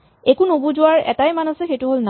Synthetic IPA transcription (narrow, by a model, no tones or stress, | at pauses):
ekunobuzʊwaɹɛ̰tajmanasɛxejtʊɦolna